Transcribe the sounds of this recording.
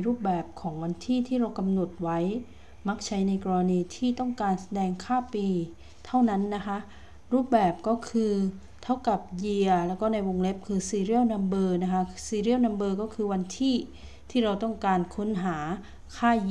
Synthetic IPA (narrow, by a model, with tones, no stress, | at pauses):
ɾuː˥˩p̚bɛː˨˩p̚kʰɔː˩˦ŋwa˧nt̪ʰiː˥˩t̪ʰiː˥˩ɾa˧wka˧mno˨˩t̪̚wa˦˥j | ma˦˥k̚t͡ɕʰa˦˥jna˧jkɔː˧ɾa˧niː˧t̪ʰiː˥˩t̪ɔ˥˩ŋkaː˧nsa˧dɛː˧ŋkʰaː˥˩piː˧ | t̪ʰa˥˩wna˦˥nːa˦˥kʰa˦˥ʔ | ɾuː˥˩p̚bɛː˨˩p̚kɔː˥˩kʰɯː˧ | t̪ʰa˦˥˩wka˨˩p̚ji˧əɐlɛː˦˥wkɔː˥˩na˧jwo˧ŋle˦˥p̚kʰɯː˧siː˧ɾi˥˩əwna˧mbɤː˧na˦˥kʰa˦˥siː˧ɾi˥˩əwna˧mbɤː˧kɔː˥˩kʰɯː˧wa˧nt̪ʰiː˥˩ | t̪ʰiː˥˩ɾa˧wt̪ɔ˥˩ŋkaː˧nkʰo˦˥nɦaː˩˦ | kʰaː˥˩˧